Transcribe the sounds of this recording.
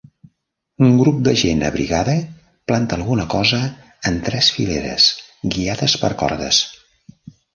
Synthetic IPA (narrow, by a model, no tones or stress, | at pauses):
uŋɡɾup̚d̪əʒenə̰βɾḭɣaðə | plant̪əːlˠɣunəkɔzəː | nt̪ɾɛsfḭleɾə̰sɡiaðəspəɾkɔ̰ɾðə̰s